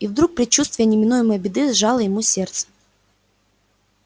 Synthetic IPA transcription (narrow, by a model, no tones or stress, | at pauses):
ivd̪ɾuk̚pɾʲɪt͡ɕːust̪vʲɪjənʲɪmʲɪnujɪməjəbʲɪd̪ɨzʐɑlˠəjɪmusʲe̞rt̪sə̥